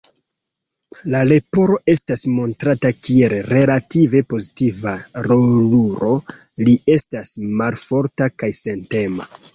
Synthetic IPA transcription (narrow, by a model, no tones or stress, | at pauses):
lale̞po̞ɾo̞ʔe̞stasmo̞ntɾatakielɾe̞lative̞po̞zitivaɾo̞luɾo̞ | lie̞stasmalfo̞ɾtakajse̞nte̞ma̰